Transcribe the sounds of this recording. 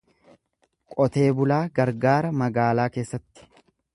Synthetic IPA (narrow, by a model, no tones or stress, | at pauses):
kʼɔt̪e̞ːbʊlaːɡɐɾɡaːɾɐmɐɡaːlaːke̞ːsːɐt̪ːɪ̥